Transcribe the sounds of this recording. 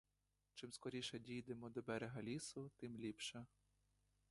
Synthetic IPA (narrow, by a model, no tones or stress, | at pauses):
t͡ʃɪmskɔɾʲiʃɛdʲijd̪emɔd̪ɔbɛɾeɦɐlʲisʊt̪ɪmlʲipʃɛ